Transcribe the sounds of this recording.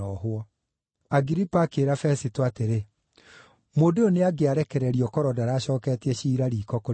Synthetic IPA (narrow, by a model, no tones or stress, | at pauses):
ɔɦwɔ | aɡiɾipaːkeːɾafɛsitoateɾe | modeoneaɡeaɾɛkɛɾɛɾiɔkɔɾɔdaɾaːɕɔːkɛtɛɕiːɾaɾiːkɔko